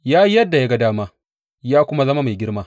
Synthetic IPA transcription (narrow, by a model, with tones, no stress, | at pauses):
jaː˦i˦jɐ˦dːa˨ja˦ɡa˦daː˦maː˦ | jaː˦kʷʊ˦ma˦zɐ˦ma˦ma˨jɡʲɪ˦ɽmaː˦